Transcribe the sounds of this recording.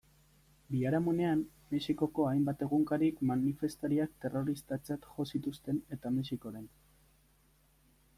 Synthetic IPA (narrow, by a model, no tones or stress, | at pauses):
biaɾamune̞am | meʃiko̞ko̞ajmbat̪e̞ɣuŋkaɾikmanife̞st̪aɾiak̚t̪e̞ro̞ɾist̪at͡sat̪ʝo̞sit̪ust̪e̞ne̞t̪amesiko̞ɾe̞n